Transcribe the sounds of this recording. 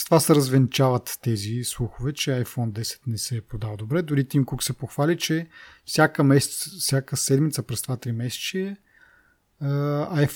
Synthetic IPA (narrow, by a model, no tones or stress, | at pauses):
st̪vasɛɾɐzvɛnit͡ʃavət̪ːɛzislˠuxʊvɛt͡ʃɛajfɔnd̪ɛsɛ̥t̪nɛsɛpɾod̪avəd̪obɾɛd̪ʊɾit̪imkuksɛpoxvalit͡ʃɛfsʲjakəmɛsɛt̪sfsʲakəsɛd̪mit̪səpɾɛst̪vat̪ɾimɛsɛ̥t͡ʃiɛ | əajf